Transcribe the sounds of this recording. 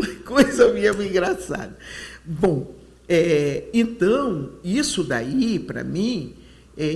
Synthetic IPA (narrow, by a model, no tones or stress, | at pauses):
mɐkojzewmĩɐmĩɡɾasa̰d̪ɐbõ | ɛẽt̪ɐ̃w̃isʊd̪aipɾɐ̰mĩ | ɛ